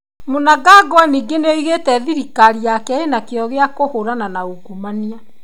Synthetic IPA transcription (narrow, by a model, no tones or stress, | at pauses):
monaɡaɡwaniːɡeneiɣetɛðiɾikaɾiakɛenakeɔɣeakohoɾananauɡumania